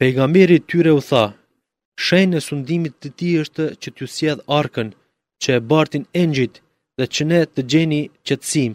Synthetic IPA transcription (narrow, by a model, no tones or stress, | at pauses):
pɛjɡamɛɾit̪yɾɛuθa | ʃɛjnɛsund̪imit̪ːət̪iəʃt̪ət͡ɕət̪jusjɛðaɾkən | t͡ɕəɛbaɾt̪inɛɲd͡ʑit̪ | ðɛt͡ɕənɛt̪əd͡ʑɛnit͡ɕət̪ə̥sim